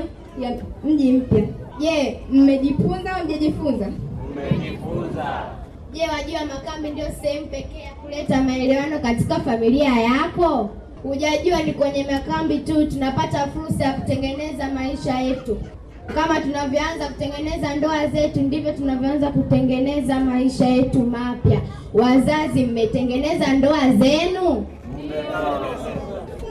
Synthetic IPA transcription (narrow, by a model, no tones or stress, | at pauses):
m̩ʄim̩pjaʄɛm̩mɛʄifunzam̩ʄaʄifunza | ʄɛwaʄuwamakambindiɔsɛhɛmupɛkɛakulɛtamaɛlɛwanɔkati̥kafamiliajakɔ | huʄaʄuanikwɛɲɛmakambitutunapatafuɾsajaku̥tɛŋɡɛnɛzamaiʃajɛtu | kamatunavjɔanzaku̥tɛŋɡɛnɛzandɔazɛtundivjɔtunavjɔanzakutɛŋɡɛnɛzamaiʃajɛtumapja | wazazim̩mɛtɛŋɡɛnɛzandɔazɛnu